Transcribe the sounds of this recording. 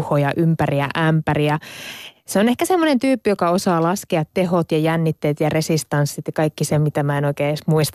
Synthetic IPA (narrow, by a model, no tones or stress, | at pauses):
hojɑʔympæriæ̰ʔæmpæriæ | seonehkæsemːonent̪yːpːijokɑosɑːlɑskeɑt̪teɦot̪jɑjænːit̪ːeːt̪jɑresist̪ɑnsːit̪jɑkɑikːisemit̪æmæenoikeːesmuist̪